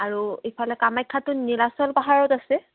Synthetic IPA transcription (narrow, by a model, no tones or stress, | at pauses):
aɹuepʰalɛkamajkʰːatʊnilasɔlpaɦaɹɔtasɛ